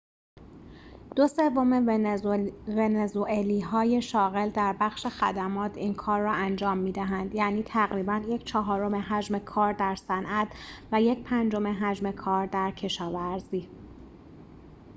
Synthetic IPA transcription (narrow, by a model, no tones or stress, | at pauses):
d̪̥ose̞vo̞me | venezuʔeliːɦɒːje̞ʃɒːɣe̞ld̪æɾbæxʃe̞xæd̪æmɒːt̪ʰiːnkʰɒːɾːɒːænd͡ʒɒːmːiːd̪æɦænd̪jæːniːt̪ʰæɣɾiːbænje̞cʰt͡ʃʰɒɦɒːɾo̞me̞ɦæd͡ʒme̞kʰɒːɾd̪æɾsænʔæt̪ʰvæje̞cʰpʰænd͡ʒo̞me̞ɦæd͡ʒme̞kʰɒːɾd̪æɾcʰe̞ʃɒːvæɾziː